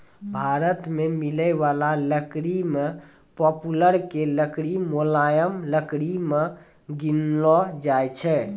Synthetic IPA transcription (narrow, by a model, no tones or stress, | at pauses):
bʱaɾət̪memiləɪʋalaləkɾime | pɔpuləɾkeləkɽimolajəmləkɽime | ɡinlɔd͡ʒajt͡ʃʰɛ